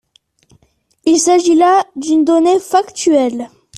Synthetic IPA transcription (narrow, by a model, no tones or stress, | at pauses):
ilsaʒilad̪ynd̪ɔnefakt̪ɥɛl